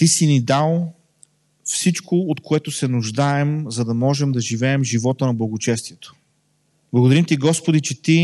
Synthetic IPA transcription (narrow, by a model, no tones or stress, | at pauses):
t̪isinid̪alˠ | fsit͡ʃkoot̪koɛt̪ʊsɛnʊʒd̪aɛmzɐd̪ɐmɔʒɛmd̪ɐʒivɛːmʒivɔt̪ənɐblˠɐɡʊt͡ʃɛst̪iɛt̪o̥ | b̥lˠɡod̪ɐɾimt̪iɡɔspod̪it͡ʃɛt̪i